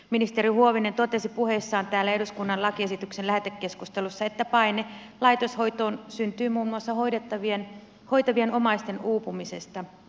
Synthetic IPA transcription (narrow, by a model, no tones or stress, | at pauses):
minist̪e̞ɾihuoʋine̞nt̪o̞t̪e̞sipuhe̞sːɑːnt̪æːlːæeɦduskunːɑnlɑkie̞sit̪yksenlæhet̪ekːe̞skust̪e̞lusːɑe̞t̪ːæpɑine̞ | lɑjt̪o̞sho̞jt̪o̞ːnsynt̪yːmuːmːuɑsːɑɦoidet̪ːɑʋien | ho̞jt̪ɑʋie̞no̞mɑist̪e̞nuːpumise̞st̪ɑ